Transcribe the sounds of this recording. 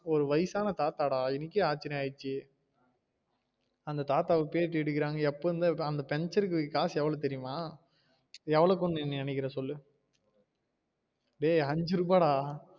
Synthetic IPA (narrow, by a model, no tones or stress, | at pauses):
ɔɾɯʋɐjsaːnɐt̪aːt̪aːɽaːɪnɪkːeaːt͡ʃːɪnɐaːjɪt͡ʃːɯ | ɐnd̪ɐt̪aːt̪aːʋpeːʈːɛɽɯk̬ːɪɾaːŋɡɐɛpːoːɯnd̪ɐɐnd̪ɐpɛɲt͡ʃɐɾɯkːɯkaːsɛʋɐɭoːt̪ɛɾɪjɯmaː | ɛʋɐɭoːkɔɳːɯɛnːinɐnɛɪk̬ːɪɾɐsɔlːɯ | ɽeːɐɲd͡ʒɯɾɯbaːɽaː